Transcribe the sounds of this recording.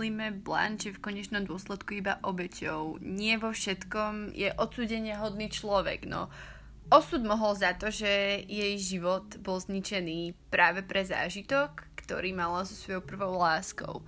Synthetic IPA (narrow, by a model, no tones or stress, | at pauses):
iːmɛbla̰nt͡ʃɛfkɔɲɛt͡ʃnɔmd̪ʊɔslɛt̪kuibaʔɔbɛcɔʊɲɪɛʋɔfʃɛt̪kɔmjɛ̰ʔɔt̪t͡suːɟɛɲɪɛɦɔd̪niːt͡ʃlɔʋɛ̰ɡ̥nɔ̰ | ɔsuːd̪mɔɦɔlzat̪ɔʒɛjɛjʒiʋɔt̪bɔlzɲit͡ʃɛniːpɾaːʋɛpɾɛza̰ːʒit̪ɔkːt̪ɔ̰ɾiːmalazɔsʋɔjɔʊpr̩ʋɔʊlaːskɔ̰ʊ